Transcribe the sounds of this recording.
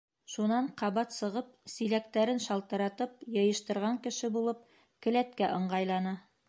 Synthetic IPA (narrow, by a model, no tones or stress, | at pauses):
ʃunɑɴqɑβɑt̪sɤ̆ʁɤp̚silæk̚t̪æɾɘnʃɑlˠt̪ɤ̆ɾɑt̪ɤp̚jɤ̆jɤ̆ʃt̪ɤ̆ɾʁɑŋkɘ̆ʃɘbulˠɤp̚ | kɘ̆læt̪kæʔɤ̆ɴɢɑjlˠɑnɤ